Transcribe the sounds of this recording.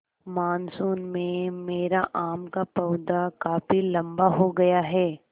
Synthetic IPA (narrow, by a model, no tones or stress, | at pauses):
maːnsuːnmẽmeːɾaʔaːmkapɐːd̪akaːfilɐ̃mbaɦoɡɐjaɦɛː